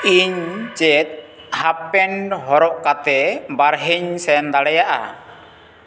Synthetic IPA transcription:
iɲt͡ʃɛt̪̚ | hapɛnɦɔɾɔʔkat̪ɛbaɾɦiɲsɛnd̪aɽɛjaʔa̰

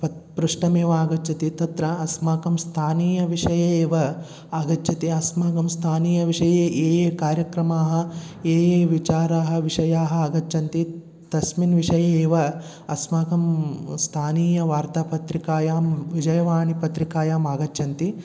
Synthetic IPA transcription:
pɐpɾuʂʈɐmeːʋɐaːɡɐtːt͡ʃʰɐt̪it̪ɐt̪ɾɐːsmaːkɐmst̪ʰaːniːjɐʋiʂɐjeːeːʋɐ | aːɡɐtːʰɐt̪iɐsmaːkɐmst̪ʰaːniːjɐʋiʂɐjeːʔeːjeːkaːɾjɐkɾɐmaːɦɐ̆eːjeːʋit͡ʃaːɾaːɦɐ̆ʋiʂɐjaːɦɐ̆aːɡɐt͡ʃːt͡ʃʰɐnt̪i | t̪ɐsminʋiʂɐjeeːʋɐ | ɐsmaːkɐmst̪ʰaːniːjɐʋaːɾt̪aːpɐt̪ɾikaːjaːmʋid͡ʒɐjɐʋaːnipɐt̪ɾikaːjaːmaːɡɐt͡ʃːʃʰɐnt̪i

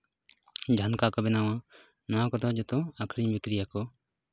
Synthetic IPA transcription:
d͡ʒʱankakɔbɛnawa | nawãkɔd̪ɔd͡ʒɔt̪ɔakʰɾiɲbikɾijakɔ

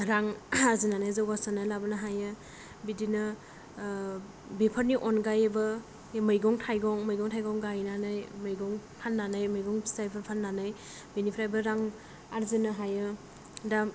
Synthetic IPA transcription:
ɾaŋaɾzinanɯjzawɡasanɯlabɯnaɦajɯ | bidinɯ | bepʰaɾniʔɔnɡajbɯ | mɯjɡɔŋtʰajɡɔŋmɯjɡɔŋtʰajɡɔŋɡajnanɯjmɯjɡɔŋpʰanːanɯjmɯjɡɔŋsajpʰaɾpʰanːanɯj | binipʰɾajbɯɾaŋ | aɾzinɯɦajɯ | da

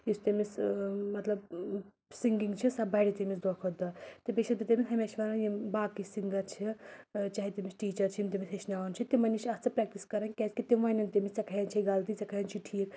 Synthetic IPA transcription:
ist̪emismɐt̪lɐb | siŋɡiŋɡt͡ʃʰisɐbɐɽit̪emisd̪okʰod̪ɐt̪ebeʃɐit̪ʲemisɦɐmʲeʃʋɐnɐjibaːkisiŋɡɐt͡ʃʰit͡ʃaːɦit̪emisʈiːt͡ʃɐɾt͡ʃʰimt̪emiseʃnaːɐnt͡ʃʰit̪imɐniʃɐst͡sɐpɾɛk̚ʈiskɐɾɐnkʲaːt͡skit̪imʋanɐnt̪emist͡sɐkʰɐɦɐnt͡ʃʰiiɡalt̪it͡sɐkʰɐjɐnt͡ʃʰiʈʰiːk

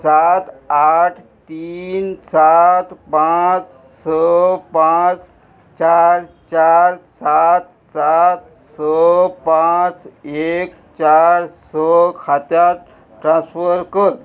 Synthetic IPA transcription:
sat̪aʈʰ | t̪iːnsat̪pãt͡s | səpãt͡s | t͡ɕaɾ | t͡ɕaɾsat̪ | sat̪ | səpãt͡sek | t͡ɕaɾsəkʰat̪ja | ʈɾãnsfəɾkəɾ

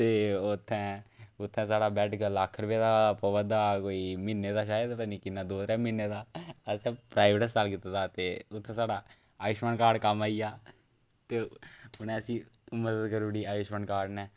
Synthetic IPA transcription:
t̪eːʊt̪ʰːɛ̃ːʊt̪ʰːɛ̃ːsaːɽaːbɛːʈɡəlːaːkʰɾəʋeːd̪aːpəʋəd̪aːkoːiːmɪnːeːd̪aːʃaːjəd̪pɛ̃nĩːkɪnːaːd̪oːd̪ɾɛːmɪnːeːd̪aːəsɛ̃ːpɾaːɪʋʈəs̬t͡ʃalk̬iːt̪aːd̪aːt̪eːʊt̪ʰːɛ̃ːsaːɖaː | aːjʊʃməɳkaːɾɖkəmaːiːaː | t̪eːʊnɛ̃ːəsĩːməd̪əd̪kəɾuːɽiːaːjʊʃməɳkaːɖnɛː

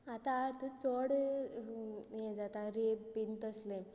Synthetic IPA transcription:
at̪at̪ət͡sɔɽ | jẽd͡zat̪aɾebint̪əslẽ

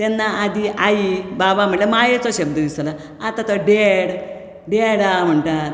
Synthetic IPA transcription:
t̪enːaːd̪iʔajibaʋam̤əɳlemajet͡soɕɐbd̪əʋisla | at̪at̪oɖeɽ | ɖeɽam̤əɳʈaɾ

